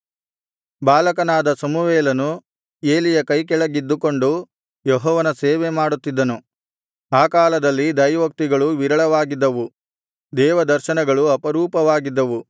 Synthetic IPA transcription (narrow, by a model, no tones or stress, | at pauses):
baːlɐkɐnaːd̪ɐsɐmuʋeːlɐnu | e̞ːlijɐkɐjkɛɭɐɡid̪ːuko̞ɳɖu | jɔɦɔːʋɐnɐseːʋemaːɽut̪ːid̪ːɐnu | aːkaːlɐd̪ɐlːid̪ɐjʋɐk̚t̪iɡɐɭuʋiɾɐɭɐʋaːɡid̪ːɐʋu | d̪ɛːʋɐd̪ɐɾʃɐnɐɡɐɭuɐpɐɾuːpɐʋaːɡid̪ːɐʋu